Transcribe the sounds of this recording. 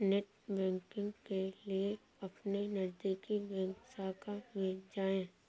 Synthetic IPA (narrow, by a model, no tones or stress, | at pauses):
neʈ | bɛ̃ːŋkɪ̃ŋɡkelie | ɐpnenɐɾd̪iːkibɛ̃ːŋsaːkamɪld͡ʒaːẽː